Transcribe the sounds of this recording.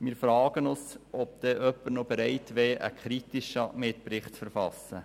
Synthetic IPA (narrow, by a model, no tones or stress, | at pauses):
mɪːɾfɾɑːɡ̥ənʊsɔp̚d̥̪ɛʔœpːəɾnobɛɾɛɪtʋɛːʔə̰kχɾitiʃəmɪt̪pɾɪχtfɛɾfɑsːə